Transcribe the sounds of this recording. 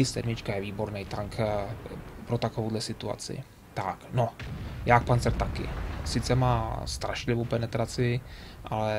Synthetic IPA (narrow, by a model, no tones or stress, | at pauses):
ɪsɛ̰dmɪt͡ʃkajɛviːbo̞ɾnɛjt̪aŋk | pɾot̪akovowdlɛsɪt̪ua̰t͡sɪ̰ | t̪aknojakpant͡sɛɾt̪akɪ̰sɪt͡sɛmaːst̪ɾʔaʃlɪvowpɛnɛt̪ɾat͡sɪʔalɛ